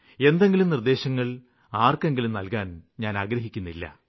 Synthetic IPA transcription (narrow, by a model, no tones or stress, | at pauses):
e̞nd̪e̞ŋɡilumnird̪e̞ːɕɐŋːɐɭ | aːrke̞ŋɡilumnɐlkaːnɲaːnaːɡɾɐɦikʲːunːilːɐ̰